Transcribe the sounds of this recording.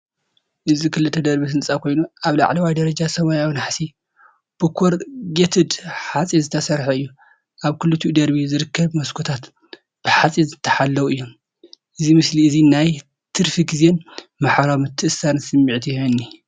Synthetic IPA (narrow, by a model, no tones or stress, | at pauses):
ʔɨzikʰɨlɨt̪ʰːɐd̪ɐɾbisɨnsʼakʰo̞jnuʔaβla̰ʕlɐwajd̪ɐɾɐd͡ʒasɐmajawinaħsi | b̥ɨkʰoɾɡet̪ʰɨd̪ħat͡sʼizɨt̪ʰɐsɐɾħɐɨjːu | ʔaβkʰɨlːut̪ʰud̪ɐɾbizɨɾɨkʰːɐβmɐskʰot̪ʰat̪ | b̥ɨħat͡sʼizɨt̪ʰːɐ̥ħalːɐwuɨjːom | ʔɨzimɨsliɨzinaj | t̪ʰɨɾfiɡizenmaħɾawmɨt̪ʰːɨʔɨsːansɨmːiʕt̪ʰijɛhɐnːi